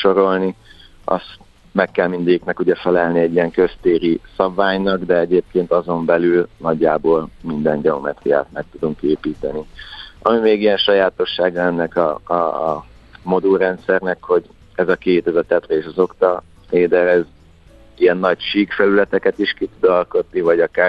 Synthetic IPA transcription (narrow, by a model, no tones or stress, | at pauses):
ʃo̞ɾo̞lni | ɒ̰st̪ | mɛkːɛlmind̪ɛɟiknɛkuɟɛfɛlɛlniɛɟːijɛŋkø̞st̪eːɾisɒbvaːɲnɒɡd̪ɛɛɟeːp̚keːnt̪ɒzo̞mbɛlylnɒɟːaːboːlmind̪ɛɲɟɛomɛt̪rḭja̰ːt̪mɛk̚t̪ud̪uŋkeːpiːt̪ɛniɒ̰mimeːɡijɛnʃɒjaːt̪o̞ʃːaːɡɒɛnːɛkɒ̰ | mo̞d̪uɾɛnt̪sɛrnɛkho̞ɟ | ɛzɒkeːt̪ɛzɒt̪ɛt̪rɛeːʃɒzo̞kt̪ɒ | eːd̪ɛɾɛz | ijɛnːɒɟʃiːkfɛlylɛt̪ɛkɛt̪iʃkit̪ud̪ɒlko̞t̪nivɒɟɒkaːr